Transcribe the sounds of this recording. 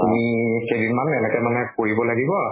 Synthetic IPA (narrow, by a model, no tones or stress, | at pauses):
tumixejdinmanɛnɛkɛmanɛkoɹibɔlaɡibɔ